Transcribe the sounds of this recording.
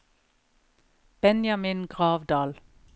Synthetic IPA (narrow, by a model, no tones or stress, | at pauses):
b̥ɛnjɑmɪnɡʁɑːʋd̪ɑːl